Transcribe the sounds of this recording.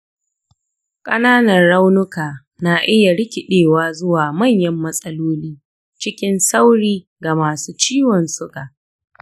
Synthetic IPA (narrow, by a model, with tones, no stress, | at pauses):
kʼɐ˦naː˦nɐ˨rɽa˦wnʊ˦kaː˨ | na˨ʔɪ˦ja˨ɽɪ˦kʲɪ˨ɗeː˨waː˦zʊ˦waː˨mɐ˦˨ɲjɐ˦mːɐ˦sʼɐ˦loː˦liː˦ | t͡ʃɪ˦kʲɪ˦nsa˦wɽiː˦ | ɡa˨maː˨suː˦t͡ʃiː˦wɔ˨nsʊ˦kʼa˨